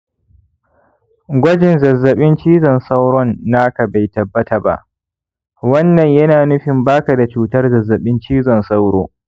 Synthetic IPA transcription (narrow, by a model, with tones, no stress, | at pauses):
ɡʷɐ˦d͡ʒɪ˨nzɐ˨zːɐ˨ɓɪ˦nt͡ʃiː˦zɔ˨nsa˦wɽɔ˦nːaː˦ka˨ba˨jtɐ˨bːɐ˦ta˨ba̰˦ʔ | wɐ˦nːɐ˨ɲjɐ˦naː˨nʊ˦ɸɪ˨mbaː˦ka˨da˨t͡ʃuː˦tɐ˦rzɐ˨zːɐ˨ɓɪ˦nt͡ʃiː˦zɔ˨nsa˦wɽoː˦